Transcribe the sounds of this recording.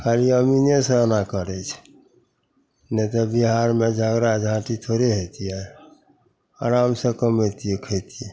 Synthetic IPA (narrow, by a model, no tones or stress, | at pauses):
kʰaliəminesə̃ənakəɾɛt͡ʃʰ | nɛt̪ɔbiɦaɾmed͡ʒʱəɡɾad͡ʒʱãʈit̪ʰoɾeɦet̪iɛ | a̰ɾamsə̃kəmɦet̪iɛkʰət̪iɛ